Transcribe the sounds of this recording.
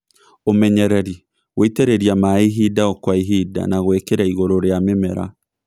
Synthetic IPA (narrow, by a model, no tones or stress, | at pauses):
omɛɲɛɾɛɾi | ɣweiteɾeɾjamaiɦidaɔkwaiɦida̰naɣwekeɾaiɣoɾoɾeamemɛɾa̰